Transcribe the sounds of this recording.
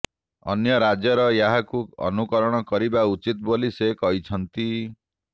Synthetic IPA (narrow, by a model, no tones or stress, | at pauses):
ɔ̰njɔɾad͡ʒjɔɾɔjaɦakuɔ̰nukɔɾɔɽ̃ɔkɔɾibaut͡ʃit̪̚bolisekɔɦit͡ʃʰɔnt̪i